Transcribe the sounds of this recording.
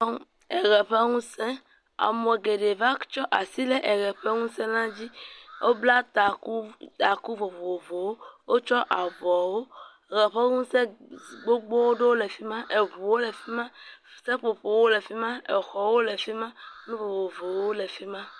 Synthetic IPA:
e˨ɣɛ˨ɸɛ˦ŋũ˦sɛ̃˦ | a̰˨mɔ̃˨ɛ˨ɡe˨ɖe˨va˦t͡ʃɔ˦ʔa˨si˦lɛ˦ʔɛ˨ɣɛ˨ɸɛ˦ŋũ˦sɛ̃˦nã˦d͡ʑi˦wʔo˦bla˦t̪a˨ku˦t̪a˨ku˦vo˨vo˨vo˨wo˦wo˦t͡ʃɔ˦ʔa˨vɔ˨wo˦˨ | ɣɛ˨ɸɛ˦ŋũ˦sɛ˦˨ɡ͡bo˦ɡ͡bo˦wo˦ɖo˦wo˦le˨fi˦mã˦ʔe˨βu˨wo˦lɛ˨fi˦mã˦˨sɛ˦ɸo˨ɸo˨wo˦le˨fi˦mã˦e˨xɔ˨wo˦le˨fi˦mã˦nũ˦vo˨vo˨vo˨wo˦le˨fi˦mã˦

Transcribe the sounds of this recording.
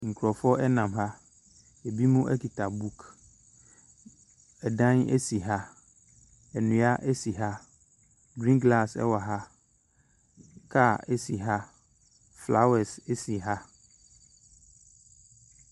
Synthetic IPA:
ŋ̩˨kʰu˨ɾɔ˨fɔ˦ʔɛ˦nã˨mɦa˦ | ɛ˨bi˦mũ˦ʔɛ˦ki˨tʰa˨bu˦kʰ | ɛ˨dã˦nɛ̰˦si˨ɦa˦ | ɛ˨nũ˨a˦ʔɛ˦si˨ɦa˦ | ɡɾĩ˦ɡla˦˨sɛ̰˦wa˨ɦa˦ | kʰa˦˨ɛ˦si˨ɦa˦ | fla˦wɛ˨sɛ˦si˨ɦa˦

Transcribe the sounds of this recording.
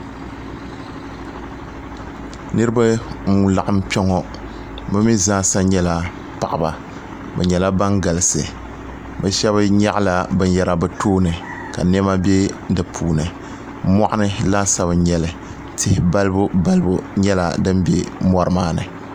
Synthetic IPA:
nɨ˦ɾɨ˦ba˦mu˦la˨ʔa˦mpɛ˦ŋɔ˦ | bɨ˦mi˦zaː˦sa˦ɲɛ˦la˨ | pa˨ʔa˨ba̰˨ | bɛ˨ɲɛ˨la˦ba˦ŋɡa˨lɨ˨sɨ˨ | bɛ˨ʃɛ˦βɨ˦ɲɛ˦ʔla˨bɨ˨n˦jɛ˨ɾa˨bɛ˨toː˦nɨ˨ | ka̰˨n˦ɛ˦ma˦be˦dɨ˨pʰuː˨nɨ˨ | mɔ˦ʔa˦nɨ˦la˦sa˦bɨ˨ɲɛ˨lɨ˨ | tʰɪ˨hɪ˨ba˦lɨ˦bʊ˦ba˦lɨ˦bʊ˨ɲɛ˦la˨dɨ˦mbḛ˦mɔ˦ɾɨ˨maː˦nɨ̰˨

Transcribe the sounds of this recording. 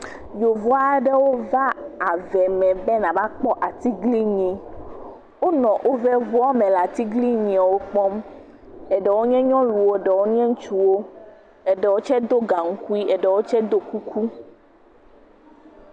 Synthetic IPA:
jo˨vɔ˦a˦ɖɛ˦wo˦va˦a˨vɛ˨mɛ̃˨bɛ˦nã˨ba˦k͡pɔ˦ʔa˨t̪i˦ɡli˦ɲĩ˨ | wo˦nɔ̃˨ʔo˦vɛ˦vu˦ɔ˦mɛ̃˨la˨t̪i˦ɡli˦ɲĩ˨a˨wo˦k͡pɔ˦m | ɛ˨ɖɛ˨wo˦ɲɛ̃˦ɲɔ̃˦lu˨wo˦ɖɛ˨wo˦ɲ˦ɛ̃˦ŋ̩˦t͡ʃu˨wo˦ | ɛ˨ɖɛ˨wo˦t͡ʃɛ˦d̪o˦ɡa˨ŋ̩˦ku˦i˦ɛ˨ɖɛ˨wo˦t͡ʃɛ˦d̪o˦ku˦kʰu˦

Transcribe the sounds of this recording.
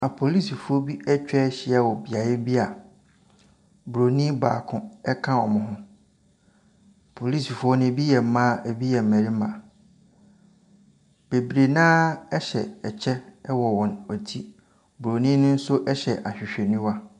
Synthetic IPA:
a˨pʰo˨li˦si˨fu˨˦ɔ˦bi˦ɛ˦t͡ɕᶣɛː˦ɕɪ˦ɛ˦˨wɔ˨bi˨a˨jɪ˦bi˦a˨ | bu˨ɾo˨nĩ˦baː˨kʰʊ̃˦ɛ˦kʰã˦ɔ˨mʊ̃˨ɦʊ̃˦˨ | pʰo˨li˦si˨fu˨˦ɔ˦nʊ̃˦bi˦jɛ˨m̩˦mã˦ʔɛ˨bi˦jɛ˨m̩˨mæ̃˨ɾi˦mã˨ | b̥e˨bɾe˨nãː˦ɛ˦ɕɛ˨ɛ˨t͡ɕʰɛ˦ɛ˦wɔ˨wɔ̃˨nɔ˨tʰi˦ | bu˨ɾo˨nĩ˦nʊ̃˦n̩˦sʊ˦ʔɛ˦ɕɛ˨ʔa˨ɕᶣɪ˨ɕᶣɛ˨nĩ˦wa˦

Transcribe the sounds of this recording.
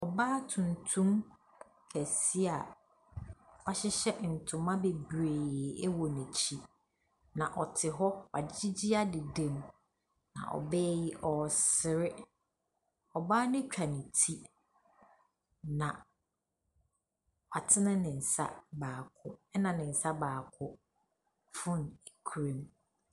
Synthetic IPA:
ɔ˨baː˦tʰũ˨n˨tʰũ˦m | kʰæ˨si˦a˨ | ɔ˨ɕɪ˦ɕɛ˦n̩˨tʰʊ̃˨mã˦be˨bɾeː˨ɛ˦wɔ˨nẽ˨t͡ɕʰi˦ | nã˨ʔɔ˨tʰɪ˨ɦɔ˦wa̰˨d͡ʑɪ˦d͡ʑi˦a˦dɪ˨dẽ˨m | nã̰˨ʔɔ̰˨bɛː˦jɪ˦ʔɔ˨sɪ˨ɾɪ˦ | ɔ˨baː˦nɪ̃˦t͡ɕᶣa˨nɪ̃˨tʰi˦ | nã˨ | wa˨tʰɪ˦nɪ̃˦nɪ̃˨n̩˨sa̰˦baː˨kʰʊ˦ɛ˦nã˨nɪ̃˨n̩˨sa˦baː˨kʰʊ˦ | fʊ̃˦n˨e˨kʰu˨ɾẽ˦m

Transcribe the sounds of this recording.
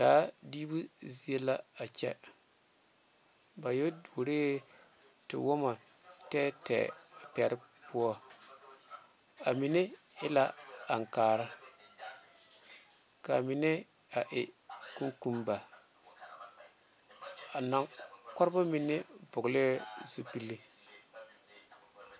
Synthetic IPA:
d̥aː˦diː˦bu˦zi˦e˦la˦a˨t͡ʃɛ̰˦ | ba˨jo˦du˨o˨ɾe˦ | tɪ̰˨wo˦ma˨ | tɛː˦tɛ̰ː˨a˨pɛ˨ɾɪ˦pu˦ɔ˦ | a˨mi˨nɪ˦ | ɪ˦la˦a˨ŋkaː˨ɾa˦ | ka̰˨mi˨ne˦ | a˨ʔe˨ku˦ŋku˦mba˨ | a˨na˨ŋkɔ˦ɾba˦mi˨ne˦bʊ˨ɡle˦zu˦pi˦lːi˦

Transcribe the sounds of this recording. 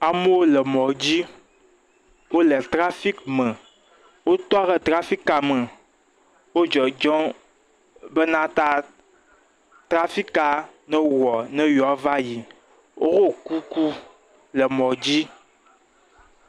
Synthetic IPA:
a˨mẽ˦wo˦lə˨mɔ̃˨d͡ʑi˦ | wo˦lɛ˨t̪ɾa˦fi˦kmə̃˨ | wo˦t̪ɔ˦ɣɛ˦t̪ɾa˦fi˦ka˨mə̃˨ | wo˦d͡ʒɔ˨d͡ʒɔ̃˦ | be˦nã˦t̪a˦ | t̪ɾa˦fi˦ka˨nɛ̃˦wɔ˨nɛ̃˦jɔ˨a˦va˦ji˨ | wʔo˦ɣo˦ku˦ku˦ | lɛ˨mɔ̃˨d͡ʑi˦

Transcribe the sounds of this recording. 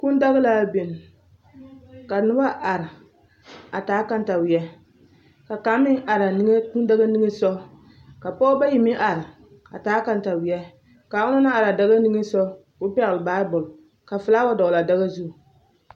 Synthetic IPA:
ku˦n˦da˦ɣa˦laː˦be˨n˨ | ka˨nɨ˦ba˦ʔa˨ɾɪ˨ | a˨taː˨˦ka˦n˦ta˨wi˨ɛ˦ | ka˨ka˨˦mɪ˦ŋʔa˨ɾa˨ni˦ŋ˦ku˦n˦da˦ɡa˦ni˦ŋe˦sɔ˦ | ka˨pɔ˦ba˦ji˨mɪ˦ʔa˨ɾɪ˨ | a̰˨taː˨˦ka˦nta˨wɪ˨ɛ˦ | ka˨ʊ˦na˦na˦a˨ɾa˨da˦ɣa˦ni˦ŋe˦sɔ˦ | ʊ˦pɛ˦ɣɨ˨lɨ˨baː˦bʊ˨l | ka˨fɨ˨laː˦wa˦dɔ˨ɣla˨da˦ɣa˦zu˦˨

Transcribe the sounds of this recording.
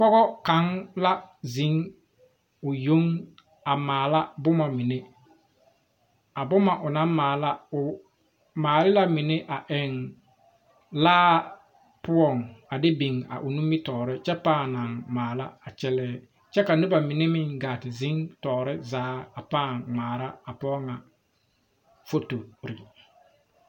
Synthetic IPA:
pɔ˦ɣɔ˦ka˨˦ŋla˦zɪ˦ŋ | ʊ˨jo˦ŋ | a˨maː˨la˦bʊ˦ma˨mɪ˨ne˦ | a˨bʊ˦ma˨ʔʊ˨na˦mmaː˨la˦ʊ˨ | maː˨lɪ˦la˦mɪ˨ne˦ʔa˨ʔɛ˨ŋ | laː˦ | pʊ˦ɔ˦˨ŋa˨dɪ˦bi˨ŋa̰˨ʔʊ˨nu˦mi˦tɔː˨ɾɪ˦t͡ʃɛ˦paː˦˨na˨ŋmaː˨la˦a˨t͡ʃɛ˦lɛː˦ | t͡ʃɛ˦ka˨nʊ˦ba˨mɪ˨nɪ˦mɪ˦ŋɡaː˨tɪ˨zɪ˦ŋtɔː˨ɾɪ˦zaː˨˦a˨paː˦˨ŋŋ͡maː˨ɾa˦a˨pɔ˦ŋa˨ | fo˦to˨ɾɪ̰˨

